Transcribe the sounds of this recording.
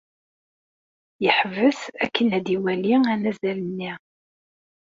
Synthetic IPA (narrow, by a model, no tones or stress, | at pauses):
jəħəvəsæ̰kːənæd̪iwæliænæzælənːi